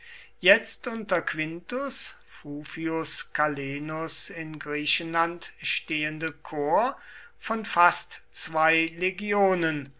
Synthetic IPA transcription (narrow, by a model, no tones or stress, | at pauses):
jɛt͡stʔʊntɐkv̥ɪntʊs | fuːfiʊskaleːnʊsɪnɡʁiːɕənlantʃteːəndəkʰoːɐ | fɔnfastt͡sv̥aɪleɡjoːnən